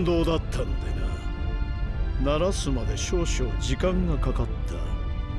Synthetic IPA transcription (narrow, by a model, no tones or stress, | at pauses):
d̪o̞ːd̪at̪ʰːanod̪ena̰ | naɾasɨmad̪e̞ɕo̞ːɕoːd͡ʑikãŋɡakakat̪ʰːa̰